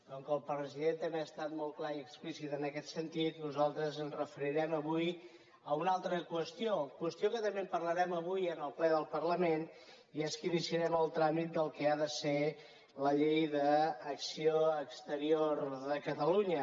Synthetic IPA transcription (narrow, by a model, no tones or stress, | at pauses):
oŋkəlˠpɾəziðent̪əmbeəst̪at̪mɔlˠklaiəksplisit̪ənəkɛt̪sənt̪it̪nuzalˠt̪ɾəzənzrəfəɾiɾɛməβuj | əunalˠt̪ɾəkwəst̪iokwəst̪ijokət̪əmbempərləɾɛməβujənəlˠplɛðəlˠpərləmen | ieskinisiəɾɛməlˠt̪ɾamit̪̚d̪əlˠkɛaðəse | ləʎejðəːksioəkst̪əɾioɾðəkət̪əluɲə